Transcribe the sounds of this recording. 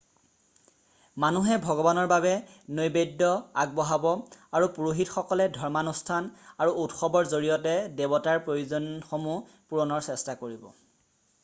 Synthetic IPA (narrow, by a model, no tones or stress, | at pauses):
manuɦɛbʱɔɡɔbanɔɹbabɛ | nojbedːɔaɡ̚bɔɦabɔaɹupuɹuɦitxɔkɔlɛdʱɔɹmanustʰanaɹuʔutxɔbɔɹzoɹijɔtɛdebɔtaɹpɹojuzɔnxomu | puɹɔnɔɹsɛstakoɹibɔ̰